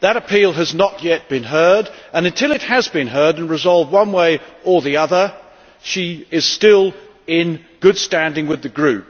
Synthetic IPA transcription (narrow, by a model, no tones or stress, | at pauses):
ðɨɾɨpʰilˠɨznəʔjɛt̚b̥ɨ̃nɦɜ˞ɾɨ̃nɨ̃ntʰɪlˠɨt̚hɨzbɨ̃nɦɜ˞ɾɨ̃nɹɨzɑlˠvd̚wʌ̃nweɪə˞ðiʌðə˞ | ʃiɪz̥stɪlˠ | ɪ̃n | ɡ̥ʊd̥stæ̃ndɪ̃ŋwɨðɨɡɹʉp̚